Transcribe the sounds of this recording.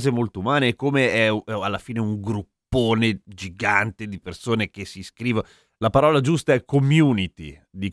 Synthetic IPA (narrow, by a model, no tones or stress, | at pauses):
zemolt̪oumaːneːkːomeɛalːafiːneuŋɡɾupːoːned͡ʒiɡant̪ed̪ipersoːnek̟esːiskɾiːvo | lapaɾɔːlad͡ʒust̪aɛkːomjuːnit̪ḭd̪ik